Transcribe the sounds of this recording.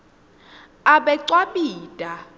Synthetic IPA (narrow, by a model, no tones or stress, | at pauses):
aɓɛǀwaɓiːtʼa